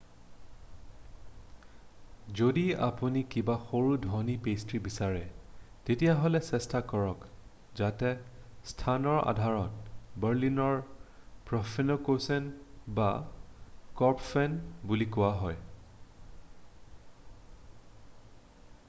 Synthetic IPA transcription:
zodia̰punikibaxoɹudʱɔnipestɹibisaɹɛ | tetijaɦɔlɛsɛstakɔɹɔk | zatɛstʰanɔɹa̰dʱaɹɔt̚bɛɹlinɔɹpɹɔfʰenokosɛnba | kɔɹpfɛnbulikʊwaɦɔj

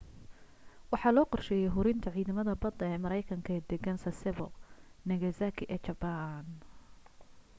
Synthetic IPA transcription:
wɑħɑːlɔːqɔrʃɛːjɛjɦʊɾɪnt̪ʰɐʕiːðɐmɐðɐbɐd̪ɐɛːmɐɾɛjkʰɐŋkʰɐɛd̪ɛɡɐnsɐsɛβɔnɐɣɐzakʰɪʔɛːt͡ʃɐban

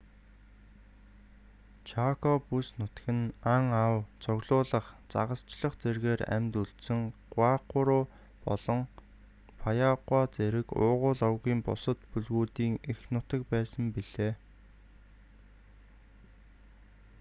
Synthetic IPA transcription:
t͡ɕʰakʰɔpusnʊt̪ɡɘ̆naŋawt͡sɔɣɮʊːɮə̆χt͡sa̰ʁə̆st͡ɕɮə̆χt͡serɣeːɾæ̰mʲt̪uɬt̪sɘ̆ŋɢwaːqʊɾʊː | pɔɮɞ̆ŋ | pʰajaʁwaːt͡seɾɘ̆kʊːʁʊːɮɔwɣiːmpʊ̰sə̆t̪puɮɣuːt̪iːŋexnʊt̪ə̆k̚pæːsə̆mpiɮ̥eː

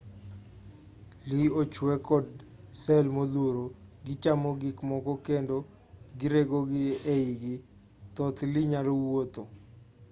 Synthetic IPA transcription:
liot͡ʃwɛkɔd | sɛlmod̪oɾoɡɪt͡ʃamoɡɪkmɔkɔkendo | ɡɪɾeɡoɡɪeiɡɪ | t̪ɔt̪lɪɲalowot̪o

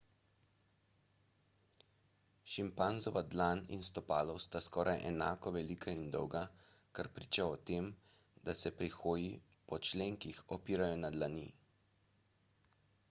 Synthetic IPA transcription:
ʃimpanzɔʋad̪lanḭnst̪ɔpaːlɔwst̪askɔːɾʔajʔɛnaːkɔʋɛliːkʰaind̪ɔ̰wɡa | kaɾpɾiːt͡ʃaɔt̪eːm | d̪asɛpɾixoːji | pɔt͡ʃleːŋkixɔpiːɾajɔnad̪lanḭ

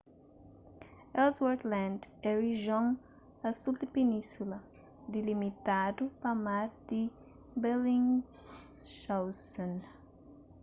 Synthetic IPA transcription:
ɛlzwaɾd̪lãnd̪ɛriʒõŋ | ɐsuld̪ɪpenĩsulɐ | d̪ɪlimit̪ad̪upamaɾd̪ɪ | belĩŋ | ʃawsõn

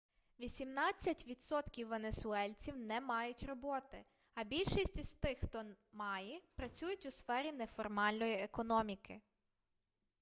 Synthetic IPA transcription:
ʋʲisʲimnɑt͡sʲːɐtʲʋʲid̪sɔt̪kʲiwːe̞nesʊɛlʲt͡sʲiwnɛmɑjʊtʲrɔbɔt̪ɪ | ɐbʲilʲʃisʲtʲiz̥t̪ɪxxt̪ɔ | mɑjɛpɾɐt͡sʲujʊtʲʊsfɛɾʲinɛfɔrmɑlʲnɔjiekɔnɔmʲikɪ

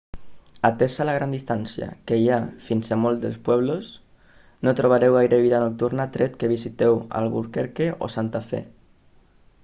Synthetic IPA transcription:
at̪esalaɣɾand̪ist̪ansja̰kejafinsemold̪elspwɛβ̞los | not̪ɾoβ̞aɾewajɾeβiðanok̚t̪uɾnat̪ɾet̪keβ̞isit̪ewa̰lβṵɾkeɾkeʔo̰sant̪afḛ

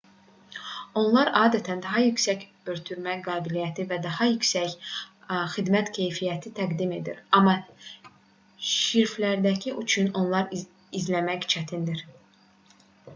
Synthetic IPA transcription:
o̞nlˠɑɾɑːd̪æt̪ʰænd̪ɑɦɑjycsæc | øɾt̪ʰyɾmæɡɑːbilijæt̪ʰivæd̪ɑhɑjycsæc | xid̪mæt̪cʰe̞jfijæt̪ʰit̪ʰæɡd̪ime̞d̪ḭɾɑmːɑ | ʃiɾflæɾd̪æcʰiʔyt͡ʃʰyno̞nlˠɑɾ | izlæmæçt͡ʃʰæt̪ʰind̪iɾ

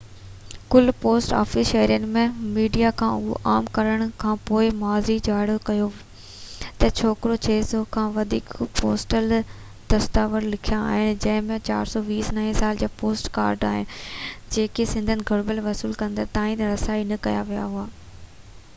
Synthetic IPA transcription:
kʊlpoːsʈa̰ːfɪsʃɐɦəɾijənɪ̆mẽmiːɖijakʰãʊɦo̰ʔaːmkɐɾəɽ̃kʰãːpoːɪmaːzid͡ʑaːɽjokɐjo | t̪ɐt͡ɕʰoːkɪɾot͡ɕʰeːzokʰãːʋɐd̪ʱḭːkpo̰ːsʈəl | d̪̥ɐst̪aːʋəɾlɪkʰijãa̰ːɦɪnɪ̆d͡ʑɐ̃ɦɪ̃mẽt͡ɕa̰ːɾsɔʋiːsnɐɦĩsaːld͡ʑaːpoːsʈkaːɾɖaːɦɪnɪ̆d͡ʑeːkesɪ̃nd̪ʱənɪ̆ɡʱɐɽbəlʋɐsuːlkɐ̃nd̪ət̪ãːĩt̪ɐɾɐsaːinɐkɐja̰ʋija̰ɦʊaː

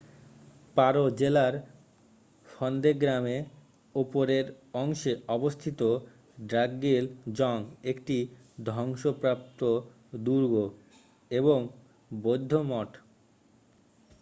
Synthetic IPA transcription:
paɾod͡ʑelaɾ | fɔnd̪eɡɾame | opoɾeɾ | ɔŋʃeɔbost̪ʰit̪o | ɖɾaɡːild͡ʑɔŋekʈi | d̪ʱɔŋʃopɾap̚t̪o | d̪uɾɡo | eβoŋ | bod̪ʱːomɔʈ

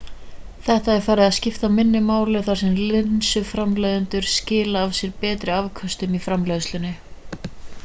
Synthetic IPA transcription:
θɛht̪aɛɾfaːɾɪðaðscɪft̪amɪnːʏmaːwlɪθaɾ̥sɛmlɪnsʏfɾamlejðʏnt̪ʏɾ̥scɪːlaːvsjɛɾpɛːt̪ɾɪavkʰœst̪ʏmifɾamlœðʏslʏnːɪ

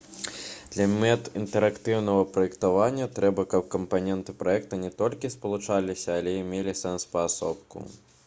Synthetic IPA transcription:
d̪̥lʲɐmʲɛt̪int̪ɛɾakt̪ɨwnɐɣɐpɾɐjɛkt̪avanʲːɐt̪ɾɛbɐkɐp̚kɐmpanʲɛnt̪ɨpɾaɛkt̪ɐnʲɛt̪ɔlʲkʲispɐlˠut͡ʂalʲisʲɐːlʲɛimʲelʲisɛnspɐːsɔpkṵ

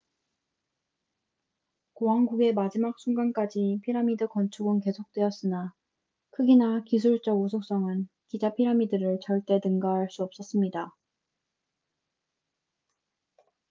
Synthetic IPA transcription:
koɦaŋɡuɡe̞mad͡ʑimak̚s͈ʰuŋɡank͈ad͡ʑipʰiɾamidɯkʌnt͡ɕʰuɡɯnke̞sʰok̚t͈we̞ʌs͈ɯna | kʰɯɡinakis̬ʰuɭt͡ɕ͈ʌɡusʰok̚s͈ʌŋɯn | kid͡ʑapʰiɾamidɯɾɯɭt͡ɕʌɭt͈e̞nɯŋɡaɦaɭs͈uʌp̚s͈ʌs͈ɯmɲida

